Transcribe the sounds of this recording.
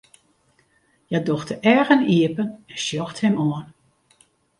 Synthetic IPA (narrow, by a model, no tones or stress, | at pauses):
jadɔxtəɛɹɣəniəpənɛnsjɔxthɛmɔən